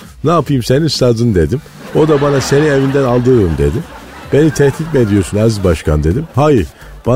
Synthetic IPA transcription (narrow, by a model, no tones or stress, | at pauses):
naːpʰɯjɯmse̞ninst̪ʰad̪ɯnd̪e̞d̪im | o̞d̪abanase̞nie̞vind̪ænalˠd̪ɯɾɯmd̪e̞̰d̪im | b̥e̞nit̪ʰɛht̪it̪mɛed̪ijo̞ɾsunazizbaʃkʰand̪e̞d̪imhajiɾ | b̥a